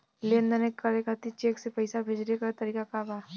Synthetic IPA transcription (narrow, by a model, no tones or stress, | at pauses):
leːnd̪ənekːəɾekat̪it͡ʃeːksepɐɪsabʱeːd͡ʒɾekat̪ɐɾiːkakaːbaː